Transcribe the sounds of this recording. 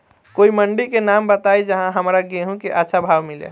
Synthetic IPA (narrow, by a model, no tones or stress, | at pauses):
koiməɳɖikenambət̪ajd͡ʒəɦãɦəmɾaɡeɦũkeʔətːʃʰabʱabmilḛ